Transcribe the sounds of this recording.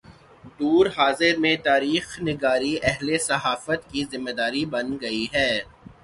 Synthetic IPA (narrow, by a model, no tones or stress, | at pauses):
d̪uːɾɦaːzɪɾmẽt̪aːɾiːxnɪɡaːɾiʔɛɦlesɐɦaːfət̪kizɪmːed̪aːɾibɐnɡɐiɦɛː